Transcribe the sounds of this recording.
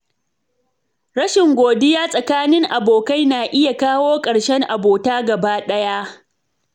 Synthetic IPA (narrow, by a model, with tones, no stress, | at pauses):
ɽɐ˦ʃɪ˨ŋɡʷoː˨dɪ˦jaː˦sʼɐ˨kaː˦nɪ˦ŋʔa˨boː˨ka˦jnaː˨ʔɪ˦ja˨kaː˦woː˦kʼɐ˨ɽʃɛ˦ŋʔa˨boː˨taː˦ɡɐ˨baː˦ɗɐ˦ja˦ʔ